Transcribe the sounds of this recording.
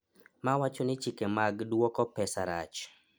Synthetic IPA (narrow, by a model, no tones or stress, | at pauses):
mawat͡ʃɔnɪt͡ʃikemaɡdwɔkɔpɛsaɾa̰t͡ʃ